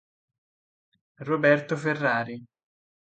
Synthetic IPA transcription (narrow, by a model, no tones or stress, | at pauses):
robɛrt̪oferːaːɾi